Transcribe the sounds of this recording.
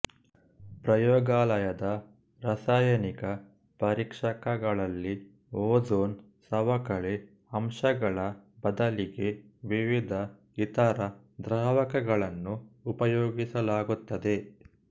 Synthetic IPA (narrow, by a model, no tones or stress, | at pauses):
pɾɐjɔːɡaːlɐjɐd̪ɐ | ɾɐsaːjɐnikɐ | pɐɾikʂɐkɐɡɐɭɐlːi | oːd͡ʒoːn | sɐʋɐkɐɭe | ɐmʂɐɡɐɭɐbɐd̪ɐliɡe̞ʋiʋid̪ʱɐ | it̪ɐɾɐ | d̪ɾaːʋɐkɐɡɐɭɐnːuːpɐjoːɡisɐlaːɡut̪ːɐd̪e̞